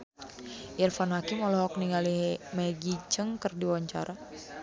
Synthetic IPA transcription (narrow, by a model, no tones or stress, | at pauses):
jɛrfanɦakimɔlɔɦɔk̚niŋalimeɡit͡ʃəŋkərdiwaɲt͡ʃa̰ɾa